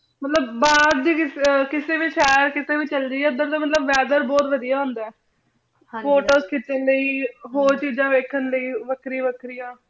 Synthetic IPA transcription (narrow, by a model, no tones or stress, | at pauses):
mət̪ləbːaːd̪d͡ʒiːkɪkɪseːʋiʃɛːəɾkɪseːʋiːt͡ʃəld̪iːɛːʊd̪əɾd̪aːmət̪ləbːɛːd̪əɾbɔːt̪ʋəd̪ijaːɦʊ̃nd̪aː | foːʈoːskɪt̪ːənləiːɦoːɾt͡ʃiːd͡ʒãːʋeːkʰənləiːʋəkɾĩːʋəkɾɪjãː